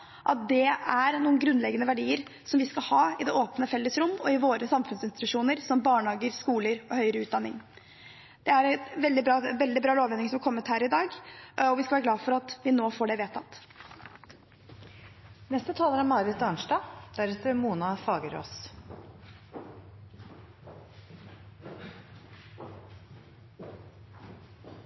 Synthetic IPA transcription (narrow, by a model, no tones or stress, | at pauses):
ʔɑ̰t̪̚d̪ɛæɾnuːənɡɾʉnlɛɡənəʋæɖiːəɾ | sɔmʋɪskɑhɑːɪd̪ɛʔoːpnəfɛlːəsɾʊmːɔɪʋoːɾəsɑmfʉnsɪnst̪ɪ̥t̪ʉʂuːnəɾsɔmbɑːɳhɑːɡəɾskuːləɾɔhœʏəɾəʉːt̪d̪ɑnːɪŋ | d̪̥ɛæɾɛʋɛld̪ɪbɾɑːʋɛld̪ɪbɾɑːloːʋɛnːɪŋsɔmɑɾkʰɔmːət̪hæːɾɪd̪ɑːɡɔʋɪskɑʋæɾɡlɑːfɔɾɑt̪ʋɪnoːfoːɖɛʋeːt̪ʰɑt̪ː | nɛst̪ət̪ʰɑːləɾæɾmɑːɾət̪ɑɳʂdɑːd̪̥æɾɛt̪əɾmuːnɑfɑːɡəɾo̰s